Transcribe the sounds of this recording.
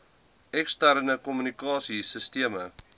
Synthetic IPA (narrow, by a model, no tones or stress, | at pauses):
ɛkstærnəkɔmynikɑːsisəstiəmə